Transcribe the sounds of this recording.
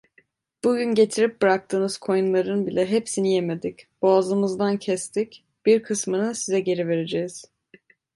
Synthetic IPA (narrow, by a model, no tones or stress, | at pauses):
b̥uɟynɟe̞t̪ʰiɾip̚bɯɾak̚t̪ʰɯːnɯz̥kʰo̞junlˠaɾɯnbilʲɛɦepsinijeme̞d̪icb̥aːzɯmɯzd̪ancʰɛst̪ic | b̥iɾkʰɯsmɯnɯnsizɛɟe̞ɾive̞ɾe̞d͡ʒɛiz̥